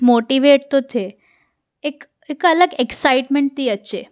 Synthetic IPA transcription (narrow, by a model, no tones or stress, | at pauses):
moʈiʋeʈt̪ot̪ʰe | ek | ekələɡeksaɪʈmeɳʈ̚t̪iːətːʃe